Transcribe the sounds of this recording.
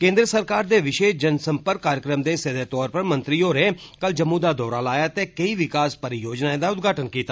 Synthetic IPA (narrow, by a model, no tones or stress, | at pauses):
kẽːnd̪ɾəsəɾkaːɾd̪eːʋɪʃeːʃd͡ʒənsəmpəɾkːaːɾjəkɾəmd̪eːsed̪eːt̪ɔːɾpəɾmə̃nt̪ɾiːoːɾeː | kəld͡ʒəmːuːd̪aːd̪ɔːɾaːlaːjaːt̪eːkəiːʋɪkaːspəɾijoːd͡ʒnaːeːd̪aːʊd̪̚ɡaːʈənkiːt̪aː